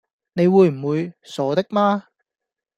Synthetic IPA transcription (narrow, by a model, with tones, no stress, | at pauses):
ne˨˧jwuː˨˧jm̩˨˩wuː˨˧jsɔː˨˥t̪ɪ˥k̚maː˥